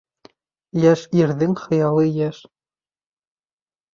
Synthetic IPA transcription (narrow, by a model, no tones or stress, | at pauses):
jæʃiɾðɘŋχɤ̆jɑlˠɤjæʃ